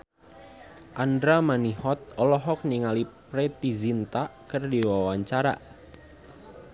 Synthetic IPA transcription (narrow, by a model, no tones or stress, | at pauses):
ʔandɾamanihɔt̪̚ɔlɔɦɔk̚niŋalipɾet̪izint̪aʔkərdiwawaɲt͡ʃaɾa̰